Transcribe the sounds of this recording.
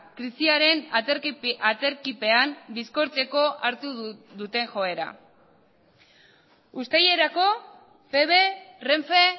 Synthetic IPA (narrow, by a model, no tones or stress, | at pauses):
kɾisiaɾe̞n | at͡se̞ɾkipe̞ambisko̞ɾt͡se̞ko̞ʔaɾt̪uðut̪e̞ŋxo̞e̞ɾa̰ | ust̪aje̞ɾako̞ | pe̞βe̞re̞ɱfe